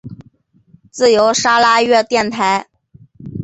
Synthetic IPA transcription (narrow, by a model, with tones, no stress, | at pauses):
t͡sɹ̩˥˩jo˧˥ʊʂa˥la˥ɥɛ˥˧t̪jɛ˥˩nt̪ʰa˧˥ɪ